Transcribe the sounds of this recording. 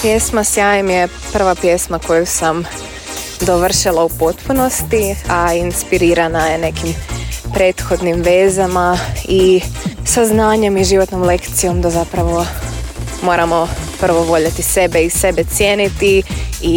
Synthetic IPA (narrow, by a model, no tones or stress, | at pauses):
pje̞smasjaːjemje | pr̩ʋapje̞smako̞jusam | d̪o̞ʋr̩ʃilˠaupo̞t̪puno̞st̪iainspiɾiɾanaje̞ne̞kimpɾe̞ːt̪xo̞d̪nimʋe̞ːzamaisaznaːɲe̞miʒiʋo̞t̪no̞mle̞kt̪sijo̞md̪azapɾaʋo̞ | mo̞ːɾamo̞pr̩ʋo̞ʋo̞ʎat̪ise̞beise̞be̞t̪sjeːnit̪ii